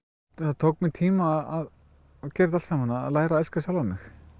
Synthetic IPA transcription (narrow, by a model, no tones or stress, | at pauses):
θaðt̪ʰowk̚mɪnt̪ʰiːmaːðað | cɛːɾɪðalsamanalaːjɾaɛskasjawlvamɪx